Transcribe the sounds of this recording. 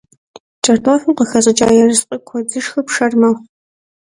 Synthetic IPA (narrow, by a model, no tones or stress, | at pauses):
t͡ʃʼɐrtʰoːfɨmqəxɐzʼɨt͡ʃʼaːjɛrɨsqʼikʷʰɔd͡zɨʂxɐpʂɐrmɐχʷ